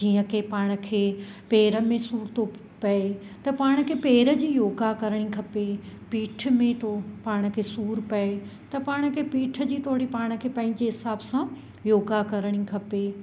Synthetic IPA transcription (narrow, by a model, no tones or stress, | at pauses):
d͡ʑiːə̃kʰeːpaːɽ̃ə̆kʰeːpeːɾə̆mẽsuːɾt̪o | pɐet̪ɐpaːɽ̃ə̆kʰeːpeːɾə̆d͡ʑiːjoːɡakɐɾəɽ̃ikʰɐpepiːʈʰmẽt̪opaːɽ̃ə̆kʰeːsuːɾpɐet̪ɐpaːɽ̃ə̆kʰeːpiːʈʰə̆d͡ʑiːt̪ʰoɦɽipaːɽ̃ə̆kʰeːpɐ̃ːɪ̃ɲd͡ʑeɦɪsaːbsã | joːɡakɐɾəɽ̃ikʰɐpe